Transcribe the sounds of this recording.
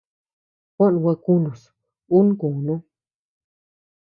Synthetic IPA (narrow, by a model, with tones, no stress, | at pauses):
kʷã˦ʔnũ˧wʷa˧kũ˦nũ˨s | u˦nũ˦kũ˨nũ˦